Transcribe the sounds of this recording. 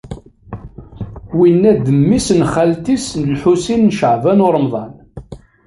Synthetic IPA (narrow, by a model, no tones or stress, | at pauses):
winːæd̪əmːisnχalt̪isnəlħusinːʃəʕvænʊɾˤmðˤɑn